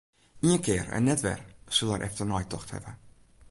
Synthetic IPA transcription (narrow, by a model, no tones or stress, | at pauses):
iənkɪːɾɛ̰nːɛtʋɛ̰rsɵlˠɛɾʔɛ̰ftərnɔjtdɔxthɛ̰və